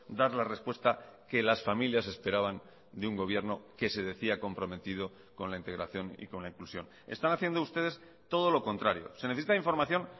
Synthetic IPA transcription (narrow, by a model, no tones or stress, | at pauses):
d̪aɾlare̞spwe̞st̪ake̞lasfamiljase̞spe̞ɾaβ̞an | d̪euŋɡo̞β̞je̞ɾno̞ke̞se̞ðe̞θiako̞mpɾo̞me̞t̪ið̞o̞ | ko̞nlaint̪eɣɾa̰θjo̞nḭko̞nlaiŋklusjo̞̰n | e̞st̪anaθje̞nd̪oust̪e̞ð̞e̞s | t̪o̞ð̞o̞lo̞ko̞nt̪ɾaɾjo̞̰se̞neθesit̪aiɱfo̞ɾmaθjo̞n